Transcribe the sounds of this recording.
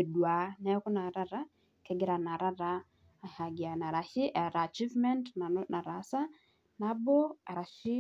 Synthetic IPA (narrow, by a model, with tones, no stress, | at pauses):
e˨dwa˨nɛ˦ku˦na˨ɾa˦ɾa˦ | kɛɡi˨ɾa˨na˨ɾa˦ɾa | ha˨ɡi˨a˨na˨ɾa˨ʃi˦ʔa˨ɾa˨t͡ʃi˦vmɛ˦ntnanʔa˨ɾasa˦ | na˦bɔ˦a˨ɾa˨ʃi˦